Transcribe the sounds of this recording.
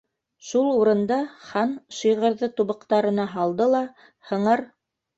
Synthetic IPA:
ʃulˠuɾɤ̆nd̪ɑχɑnʃɤ̆jʁɤ̆ɾðɤt̪uβɤ̆qt̪ɑɾɤ̆nɑɦɑlˠd̪ɤlˠɑ | hɤ̆ɴɤɾ

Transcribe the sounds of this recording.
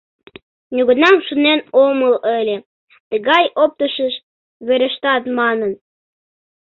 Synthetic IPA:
nʲuɣənɑmʃunenomələlʲe | t̪əɣɑjʔop̚t̪əʃəʃ | βeɾə̆ʃt̪ɑt̪mɑnən

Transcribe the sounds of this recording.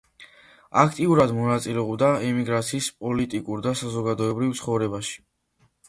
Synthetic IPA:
akʰt̪ʼiuɾad̪mɔnat̪sʼilɛɔbd̪aɛmiɡɾat̪sʰiːspʼɔlit̪ʼikʼuɾd̪asazɔɡad̪ɔɛbɾivt̪sʰχɔvɾɛbaʃi̥

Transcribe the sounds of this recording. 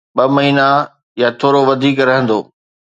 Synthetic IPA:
ɓɐmɐɦiːna | jat̪ʰoːɾoʋɐd̪ʱiːkɾɐɦə̃nd̪oː

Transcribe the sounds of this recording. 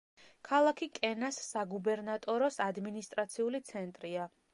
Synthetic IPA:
kʰalˠakʰikʼɛnasːaɡubɛɾnat̪ʼɔɾɔsad̪minist̪ʼɾat̪sʰiulit̪sʰɛnt̪ʼɾia

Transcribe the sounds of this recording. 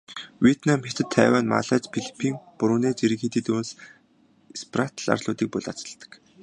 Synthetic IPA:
wiet̪namxet̪ʰɘ̆t̪ʰːæːwaːnma̰ɮaːt͡ɕpʰiɮi̥pʰiːŋpʊɾʊːneːt͡ɕiɾĭxiːt̪iːt̪uːns | sprat̪ʰɮa̰rɮʊːt̪iːk̚pʊɮa̰t͡sə̆ɮt̪ə̥̆k

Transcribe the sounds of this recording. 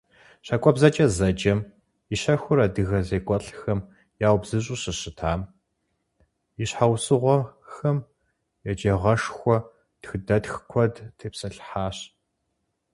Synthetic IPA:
ɕakʷʼɔbzɐt͡ʃʼɐzɐd͡ʒʼɐm | iɕɐxʷʊɾɐdɨɣɐzeːkʷʼɔɬxɐm | jaːwbzɨɕ̬ʼʊɕɨɕɨtʰaːm | iɕħawsɨʁʷɔxɐm | jɛt͡ʃʼeʁɐʂxʷɔ | txɨdɐtxkʷʰɔdtʰeːpsɐɬħaːɕ

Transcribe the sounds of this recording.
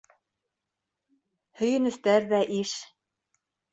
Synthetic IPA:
hɵ̆jɘ̆nɵ̆st̪æɾðæʔiʃ

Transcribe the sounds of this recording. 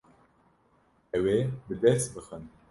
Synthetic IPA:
ɛwebɨd̪ɛst̪̚bɨxən

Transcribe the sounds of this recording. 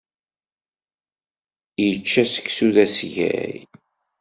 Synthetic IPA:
jət͡ʃːæsə̥ksuðæsʝæ̰j

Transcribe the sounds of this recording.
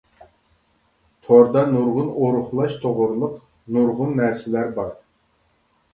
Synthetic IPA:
t̪ʰoɾd̪ɑnuɾʁʊnoɾʊχlˠɑʃt̪ʰoʁʊɾlˠʊq̚ | nuɾʁʊnːæɾsɪlæɾbɑɾ

